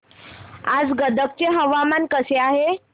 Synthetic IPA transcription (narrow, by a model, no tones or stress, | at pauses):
ad͡zɡəd̪ək̚t͡ɕeɦəʋamankəseaɦe